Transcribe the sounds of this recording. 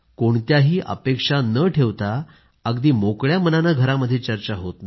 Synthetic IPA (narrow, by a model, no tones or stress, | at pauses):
koɳt̪jaɦiːʔə̰pekʂanəʈʰeʋt̪a | əɡd̪iːmokɭjamənanaɡʱəɾaməd̪ʱːjet͡ɕəɾt͡ɕaɦot̪na